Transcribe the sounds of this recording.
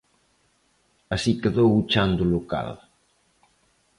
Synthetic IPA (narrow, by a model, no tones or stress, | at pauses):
asikeðowut͡ʃand̪uluka̰l